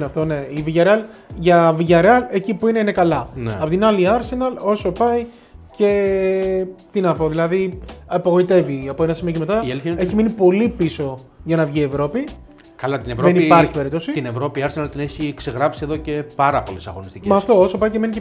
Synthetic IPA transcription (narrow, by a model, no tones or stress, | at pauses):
nɐft̪o̞ne̞iviʝɐɾeɐlʝɐviʝɐɾeɐle̞cipuineine̞kɐlɐn̰ɐpot̪inɐliɐɾse̞nɐlo̞so̞pɐi | ce̞ | t̪inɐpo̞ðilɐðiɐpɐɣo̞it̪e̞viɐpoe̞nɐsimioc̬eme̞t̪ɐelçe̞çiminipo̞lipiso̞ | ʝɐnɐvʝie̞vɾo̞pi | kɐlɐt̪inevɾoenipɐɾçipe̞ɾit̪o̞sit̪inevɾo̞piɐɾsenɐlt̪ineçikse̞ɣɾɐpsieðo̞ce̞pɐɾɐpo̞lesɐ̰ɣo̞nist̪icmɐːft̪o̞oso̞pɐjceme̞nice